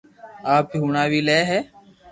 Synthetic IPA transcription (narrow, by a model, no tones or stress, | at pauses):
aːpɦuːɳaːʋiːlɛːɦɛː